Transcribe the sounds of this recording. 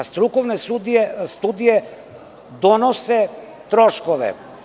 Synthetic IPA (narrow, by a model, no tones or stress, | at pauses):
st̪ɾukɔvnɛsud̪iɛst̪ud̪ijɛ | d̪ɔnɔsɛ | t̪ɾɔʃkɔvɛ̰